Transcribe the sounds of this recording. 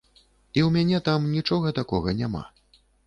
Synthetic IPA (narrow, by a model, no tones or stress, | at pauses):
iwmʲanʲɛt̪amnʲit͡ʂɔɣɐt̪akɔɣɐnʲama̰